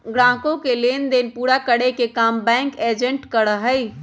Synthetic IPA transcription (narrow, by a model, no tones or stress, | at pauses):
ɡɾãkõkelend̪enpuɾakəɽekekambɛ̃ŋked͡ʒəɳʈkəɾəɦəj